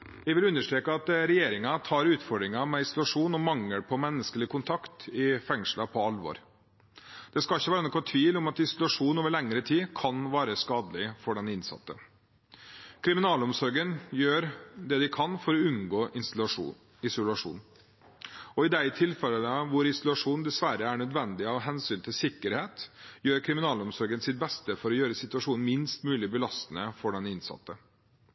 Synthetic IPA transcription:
jæɪʋɪlʉnːəʂʈ̪ɾeːkəɑt̪ɾɛjeːɾɪŋɑt̪ʰɑːɾʉːt̪fɔɖɾɪŋɑmɛɪsʊlɑʂuːnɔmɑŋːəɾpʰɔmɛnːəskəlɪkʰʊnt̪ʰɑkt̪ɪfɛŋʂlɑpʰɔɑlʋɔ̰ːɾ | d̪̥ɛskɑlɪçːəʋæːɾənɔkːʋɑt̪ʰʋiːlʊmɑt̪ɪsʊlʉɑʂuːnoːʋəɭɛŋɾət̪ʰiːkʰɑnʋæːɾəskɑːd̪əlɪfɔɖɛnɪnsɑ̰t̪ːə | kʰɾɪmɪnɑːlɔmsɔɾɡənjøːɾd̪ɛd̪ɪkʰɑnfɔɾɔʉnɡoːʔɪ | ɪsʊlɑʂṵːn | ɔɪd̪æɪt̪ʰɪlfɛlələʋʊɾɪsʊlʉɑʂuːnd̪ɛsʋæɾəæɳœd̪ʋɛnd̪ɪɑʋɦɛnsyːnt̪ʰɪlsɪkːəɾheːt̪jøːɾkʰɾɪmɪnɑːlɔmsɔɾɡənsɪt̪̚bɛst̪əfɔɾɔjøːɾəsɪt̪ʉɑʂuːnn̩mɪnst̪mʉːlɪbəlɑst̪ənəfɔɖɛnɪnsɑ̰t̪ːə

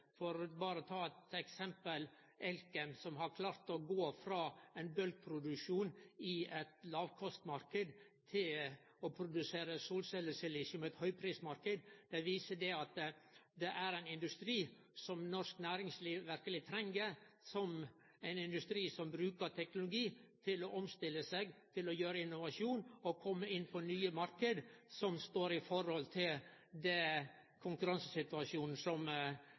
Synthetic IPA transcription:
fɔɾbɑːɾəɔt̪ʰɑːɛt̪ɛksɛmpəl | ʔɛlkɛmsɔmɦɑɾkʰlɑːɾt̪ɔɡoːfɾɑːæɪnbœlɡ̚pʰɾʊd̪ʉkʂuːnɪɛt̪lɑːʋkʰɔst̪mɑɾkəd̪ | t̪ʰɪl | ɔpʰɾʊd̪ʉseːɾəsuːlsɛləsɛlisʊmɛt̪hœʏpʰɾiːsmɑɾkəd̪d̪̥ɛʋiːsəd̪ɛɑt̪d̪ɛʔæɾæɪnɪnd̪ʉst̪ɾiː | sɔmnɔsknæːɾɪŋsliːʋʋæɾkəlɪt̪ʰɾɛŋɡəsɔm | æɪnɪnd̪ʉst̪ɾiːsɔmbɾʉːkəʈ̪ʰɛknʊlʊɡiːt̪ʰɪlɔʔɔmst̪ɪlːəsɛɡt̪ʰɪlɔjøːɾəɪnːʊʋɑʃjuːnɔkʰɔmːəɪnpʰɔnyːəmɑɾkəd̪sɔmst̪oːɾɪfɔɾhɔlt̪ʰɪld̪ɛ | kʰʊŋkʉɾɑnsəsɪt̪ʉɑʃjuːnn̩sɔm

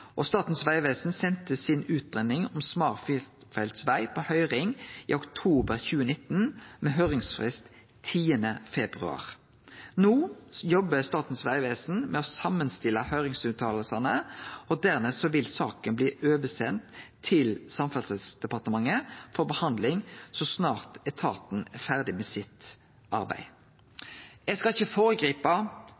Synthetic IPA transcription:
ʔɔst̪ɑːt̪n̩sʋæɪʋeːsn̩sɛnt̪əsɪnʉːt̪̚ʁɛnɪŋɔmsmɑːʁfɪfælt̪sʋæɪpʰɔhœʏʁɪŋḭːʊkt̪ʰuːbəɾçʉːənɪt̪ːnmɛɦœʏʁɪŋsfʁɪst̪ | t̪ʰiːənəfɛbʁʉ̰ɑ̰ːʁ | noːjɔbəst̪ɑːt̪n̩sʋæɪʋeːsn̩mɛɔsɑmənst̪ɪlːəhœʏʁɪŋsʉːt̪ʰɑːləlsɑnəɔd̪æʁmɛsɔʋɪlsɑːkənbliːʔøːʋəsɛnt̪ʰː | ɪlsɑmfɑlsəsd̪̥ɛpɑʁt̪əmɑŋːəfɔʁbəhɑnd̪lɪŋsɔsnɑːʁt̪ɛt̪ʰɑ̰ːt̪n̩ɛfæʁd̪ɪmɛːsɪt̪ | ʔɑ̰ʁbæ̰ɪ | jɛɡskɑɪçːəfoːʁəɡʁiːpɑ

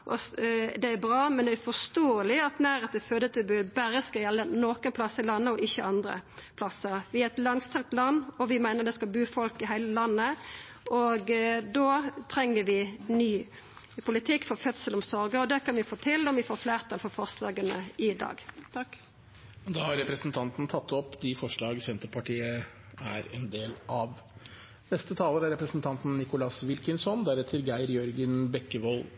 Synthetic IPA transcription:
ʔɔd̪ɛæɾbɾɑːmɛnd̪ɛæfɔst̪oːəlɪɑt̪næːɾet̪əfød̪ət̪ʰəbʉːbæɾəskɑjɛlːənoːkənpʰlɑsəɪlɑnːəɔʔɪçːəɑnd̪ɾə̰pʰlɑsːəɾʋɪæɛt̪lɑŋst̪ʰɑŋt̪lɑnːɔʋɪmæɪnəʁd̪ɛskɑbʉːfɔlkɪɦæɪləlɑnːə | ʔɔɡd̪ot̪ʰɾɛŋːəɾʋɪnyː | pʰʊlɪt̪ʰɪkːfɔfœt̪səlɔmsɔɾɡəɔd̪ɛkɑnʋɪfoːt̪ʰɪld̪ɔmʋɪfoːɾfleːʁt̪ʰɑːlfɔfɔʁslɑːɡənəɪd̪ɑ̰ːɡ̪ | ɔd̪ɑːhɑɾɾɛpɾɛsn̩t̪ʰɑnt̪nt̪ʰɑt̪ːɔpːd̪ɪfɔʂɭɑːɡsɛnt̪əpʰɑʈʰiːə | æ̰ɾɛnd̪eːlʔɑʋ | nɛst̪ət̪ʰɑːləɾæɾɛpɾəsn̩t̪ʰɑnt̪n̩nɪkʊlɑsʋɪlkənsɔnd̪æɾɛt̪ʰəɾɡæɪəɾjœɾɡənbɛkːəʋɔl

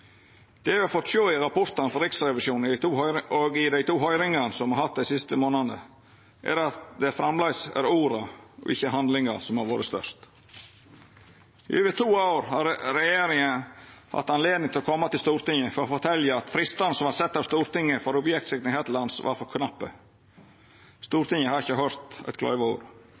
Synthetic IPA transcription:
d̪̥ɛʋɪhɑɾfɔt̪ːʂoːɪɾɑpʰɔɾt̪ɑnəfɔɾɪksɾɛʋɪʃjuːnd̪æɪt̪ʰuːoɡɪd̪æɪt̪ʰuːɦœʏɾɪŋɑnsɔmhɑɾhɑt̪̚d̪æɪsɪst̪əmoːnɑnə | ʔæ̰ɾɑt̪d̪ɛfɾɑmlɑɪsæ̰ɾuːɾɑɔ̰ʔɪ̰çːəhɑnd̪lɪŋɑsɔmhɑɾʋoːɾəst̪œ̰ʂt̪ | ɪ̰øːʋət̪ʰuːaʊɾhɑɾɾɛjeːɾɪŋənhɑ̰t̪ːɑnleːd̪nɪŋt̪ʰɪlɔkʰɔmːɑt̪ɪlst̪uːɾt̪ɪŋəfɔɾɔfɔt̪ʰɛljəɑt̪fɾɪst̪ɑnəsɔmɑɾsɛt̪ːɑːʋst̪uːɾt̪ɪŋːəfɔɾʊbjɛkt̪sɪk̪ɪhet̪lɑnsʋɑ̰ɾfɔɾkʰnɑpːə̰ | st̪uːɾt̪ɪŋːəhɑɾɪçːəɦœɾt̪æ̰t̪kʰlœ̰ʏʋəṵːɾ

